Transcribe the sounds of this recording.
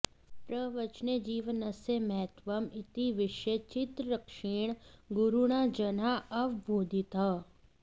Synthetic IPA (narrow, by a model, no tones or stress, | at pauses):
pɾəʋət͡ʃned͡ʒiːʋənɐseməɦət̪ʋəmɪt̪iʋɪʃet͡ʃɪt̪ɾəkʃeːɽ̃ɡʊɾuɽ̃ad͡ʒɐnaɐʋbʱoːd̪ʱit̪ɦa